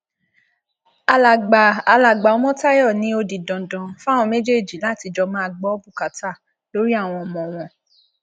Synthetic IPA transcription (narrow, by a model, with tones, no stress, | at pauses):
a˧la˨ɡ͡baː˨˧la˨ɡ͡ba˨ɔ˦mɔ̃˦ta˦jɔ˦˨nĩ˨˦o˧di˨dɔ̃˨dɔ̃˨fa˦˨w̃ɔ̃˧me˦d͡ʒe˦˨d͡ʒi˨˦la˦˨ti˧d͡ʒɔ˧mã˦a˧ɡ͡bɔ˨˦bu˦˨ka˨˦ta˦˨ | lo˦ɾi˦a˦˨w̃ɔ̃˧ɔ˧mɔ̃˨w̃ɔ̃˧